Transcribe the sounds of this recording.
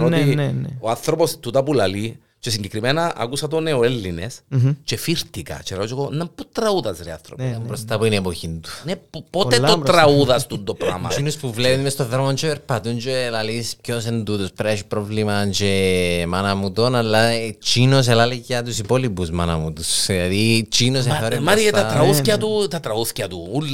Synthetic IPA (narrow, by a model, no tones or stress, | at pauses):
noinoanθɾopost̪ut̪ɐpulɐli | t͡ʃesiɲɟekɾimenɐɐ̰kusɐt̪oneoelːinest͡ʃe̞fiɾt̪ikɐ̰t͡ʃeɾɐot͡ʃekonːɐput̪ɾɐuðɐzɾeɐ̰θɾopɐmbɾost̪ɐpuinepoçind̪u̥neppot̪eot̪ɾɐuðɐst̪und̪opɾa̰mɐ̰t͡ʃinuspuvlepinmest̪oðɾomont͡ʃepeɾpɐt̪unt͡ʃeːlalisp̚ços̬end̪ut̪uspɾaʃipɾovlimant͡ʃemɐnɐmut̪onalːat͡ʃinos̬elaliʝɐt̪usipolipusmanɐmut̪usiɐðit͡ʃinos̬eoɾjɐmɐɾiet̪ɐɾɐuθkɐt̪ut̪ɐt̪ɾɐuθcɐt̪uul